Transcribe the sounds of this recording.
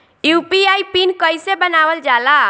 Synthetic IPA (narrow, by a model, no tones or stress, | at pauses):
jupiajpinkəjsebənawəld͡ʒala